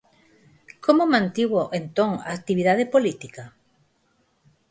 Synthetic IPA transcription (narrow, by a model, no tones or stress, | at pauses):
kʰomomãnt̪iɣoʔent̪oŋa̰ːk̚t̪iβiðaðepolit̪ika